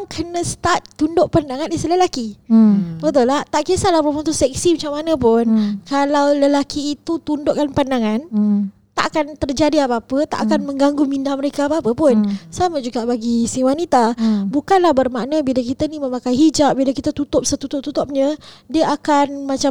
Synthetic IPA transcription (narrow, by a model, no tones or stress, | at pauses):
ŋkʰənə̃sə̥t̪at̪ːundoʔpandaŋãnisələlaki | bət̪ulaht̪aʔkiəsalahbəmunt̪usɛk̚simat͡ʃamːanə̃pʊnkalawləlakiːt̪ut̪undoʔkanpandaŋan | t̪a̰ʔakant̪ərd͡ʒadiapaːpət̪a̰ʔakanmə̃ŋɡaŋɡʊŋmindahməɾekaːpaːpəpʊnsamad͡ʒuɡaʔbaɡisiwanit̪abukanlahbərmaʔnəbilakit̪ənimə̃makajɦid͡ʒap̚bilakit̪at̪ut̪ʊp̚sət̪ut̪ʊp̚t̪ut̪ʊp̚ɲə̃diəʔakanmat͡ʃa